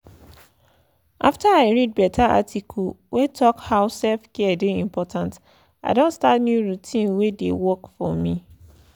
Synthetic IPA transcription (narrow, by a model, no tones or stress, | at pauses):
ʔaftaaɪɹid̚bɛtʰaʔa̰tʰikʰu | wʔetʰɔkhaʊsɛlfkʰɛdɪĩmpʰɔtʰãnt | aɪdõntstatnjuɹutʰĩnwedḛwɔkfɔmĩ